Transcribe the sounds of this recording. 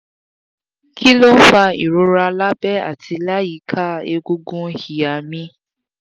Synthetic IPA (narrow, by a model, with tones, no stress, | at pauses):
kʰi˦lo˦fa˧ḭ˨ɾo˧˦ɾa˧la˦bɛ˦a̰˦˨tʰi˧la˦ji˨˦kʰa˦e˧ɡu˧ɡũ˦hi˨a˨mĩ˧